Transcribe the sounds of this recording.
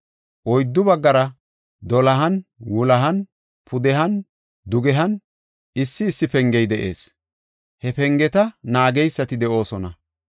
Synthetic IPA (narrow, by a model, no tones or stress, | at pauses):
ʔɔjd̪ːʊbɐɡːɐɾɐ | d̪ɔlɐɦɐnwʊlɐɦɐn | pʰʊd̪ɛɦɐn | d̪ʊɡɛɦɐn | ɪsːɪːsːɪpɛŋɡɛjd̪ɛʔḛːs | hɛpɛŋɡɛt̪ɐnaːɡɛjsːɐt̪ɪd̪ɛʔo̞ːsɔnɐ